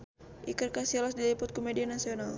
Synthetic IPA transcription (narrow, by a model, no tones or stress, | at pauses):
ʔḭkɨrkasɛlɔsdilipɔt̪̚komedianasional